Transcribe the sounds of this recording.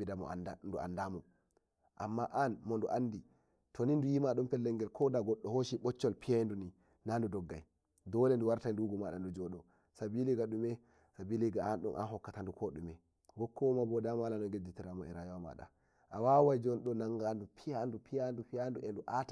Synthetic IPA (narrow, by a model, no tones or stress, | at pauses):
bidamɔ̰a̰ndandua̰ndamɔ | ʔamːaʔanmɔnduʔandi | tʰonindujimaɗumpɛlːɛŋɡɛlkʰɔdaɡɔɗːɔhoʃiɓɔt͡ʃːɔlpijanduni | nandudɔɡːa̰j | dɔlɛnduwaɾtajnduɡɔmaɗa̰ndud͡ʒɔɗɔ | sabiliɡaɗumɛ | sabiliɡaanɗɔnʔa̰nɦɔkːatandukʰɔɗumɛ | ɡɔkʰːɔmabɔdamalanɔɡed͡ʒitiɾamɔɛɾajawama̰ɗa̰ | ʔawawajd͡ʒɔnɗɔnaŋɡandupʰijandupijandupijanduʔɛnduʔata